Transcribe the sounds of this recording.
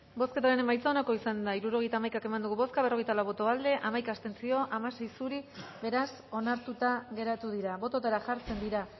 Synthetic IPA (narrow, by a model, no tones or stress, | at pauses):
bo̞ske̞t̪aɾene̞majt͡saonako̞isand̪aiɾuɾo̞ɣ̞e̞jt̪aːmajkake̞mand̪uɣuβo̞skaβro̞ɣ̞ejt̪alawβo̞t̪o̞ald̪e̞ʔamajkaːst̪e̞nt͡sio̞ʔamase̞jsuɾiβe̞ɾas | o̞naɾt̪ut̪aɣe̞ɾat̪uðiɾaβo̞t̪ot̪aɾaʝaɾt͡se̞nd̪iɾa